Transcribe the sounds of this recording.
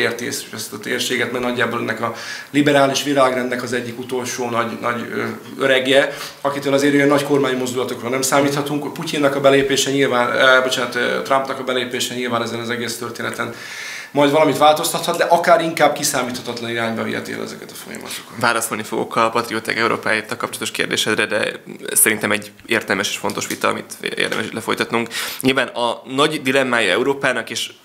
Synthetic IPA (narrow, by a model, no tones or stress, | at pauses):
eːrt̪iɛsɛst̪ɒt̪ḛːrʃeːɡɛt̪mɛɡnɒɟːaːboːlɛnːɛkɒlibɛɾaːliʃʋilaːɡrɛnd̪nɛkɒzɛɟːikut̪o̞lʃoːnɒɟnɒɟø | øɾɛɡɛ | ɒkit̪øːlɒzeːɾyjɛnːɒcko̞rmaːɲmo̞zd̪ulɒt̪o̞kroːlnɛmsaːmiːt̪hɒt̪uŋkpucinːɒkɒbɛleːpeːʃɛɲilvaːnbo̞t͡ʃaːnt̪ːt̪rɒmpnɒkɒbɛleːpeːʃɛɲilvaːnɛzɛnɒzɛɡeːst̪ørt̪eːnɛt̪ɛn | mɒjd̪vɒlɒmit̪ʋaːlt̪o̞st̪ɒt̪hɒt̪d̪ɛʔɒkaːɾiŋkaːb̚kisaːmiːt̪hɒt̪ɒt̪lɒniɾaːɲbɒvḭɛ̰t̪ḛːlɛ̰zɛ̰kɛt̪ɒ̥fo̞̰jɒ̰mɒ̰t̪o̥kɒ̥vaːlɒsolnifo̞ɡo̞̰kɒpɒt̪riot̪ɛ̰kɛuɾo̰ːpaːjet̪ːɛlkɒp̚t͡ʃolɒt̪o̞ʃkḛːrd̪eːʃɛd̪rɛd̪ɛ̰sɛɾint̪ɛmɛɟ | eːrt̪ɛlmɛʃe̥ːʃfo̞nt̪o̞ʃʋit̪ɒɒ̰mḭt̪ḛːrd̪ɛ̰mʔɛʃit̪lɛfo̞jt̪ɒt̪nuŋkɲilvaːnɒnɒɟd̪ilɛmːaːjɒɛ̰uɾoːpaːnɒkeːʃ